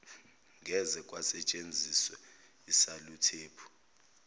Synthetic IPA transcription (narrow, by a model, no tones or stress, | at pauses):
ŋʱɛzɛkʼwasɛt͡ʃʼend͡zʱiswɛ | isalutʰeːpʰu̥